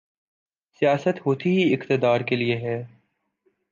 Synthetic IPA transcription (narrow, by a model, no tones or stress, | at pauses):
sijaːsət̪ɦoːt̪iɦiɪkt̪ɪd̪aːɾkelieɦɛː